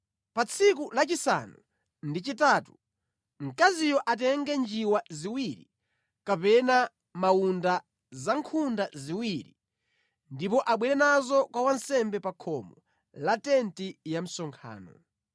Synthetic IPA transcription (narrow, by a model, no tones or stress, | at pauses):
pat͡sʰikulat͡ʃisa̰nu | ndit͡ʃitaːtu | ŋ̩kazijɔʔat̬ɛŋɡɛnd͡ʒiwaziwiɾi | kapɛna | mawunda | zaŋkʰundaziwiɾḭ | ndipɔʔaɓwɛɾɛnazɔkwawansɛmbɛpakʰɔmɔ | latɛntijam̩sɔŋkʰa̰ːnɔ̰